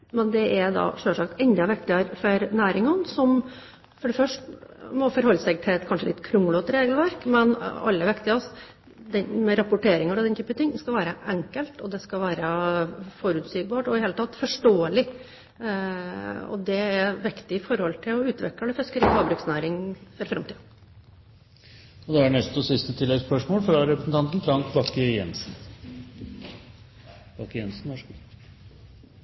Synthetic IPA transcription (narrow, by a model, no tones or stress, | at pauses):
mɛnd̪ɛʔɛɾd̪ɑ̰ːʂøːʂɑkt̪ɛnd̪ɑʋɛk̚t̪ɪəɾfɔɾnæːɾɪŋɔnsɔm | fɔɖɛfœʂʈmɔfɔɾhɔlːəsɛɡ̚t̪ʰɪlɛt̪kʰɑnʂəlɪ̰t̪ːkʰɾʊmːʊloːt̪ɾeːɡəlʋæɾkmɛnɑ̰lːəʋɛkt̪ɪɑs | d̪ɛnmɛɾɑpʊʈʰeːɾɪŋəɾɑd̪ɛnt̪yːpənt̪ʰɪŋːskɑʋæːɾəʔɛŋkəlt̪ɔd̪ɛskɑlʋæːɾəfɔɾʉːt̪siːɡ̚bɑːʈɔɪheːlət̪ɑt̪ːfɔʂʈoːəlɪ | ɔ̰d̪ɛæɾʋɪkt̪ɪɪfɔɾhɔlt̪ʰɪlɔʉːt̪ʋɛ̰kləd̪ɛfɛskəɾɪhɑːbɾʉksnæːɾɪŋfɔɾfɾɑmt̪iːd̪ | ɔd̪ɛæɖnɛst̪ɔsɪst̪ət̪ʰɪlːɛɡspœʂmoːlfɾɑɾɛpɾəsn̩t̪ɑnt̪n̩t̪ʰɾɑŋt̪bɑkːəjɛ̰nsn̩ | b̥ɑːkːəjɛnsn̩ʋɑʂ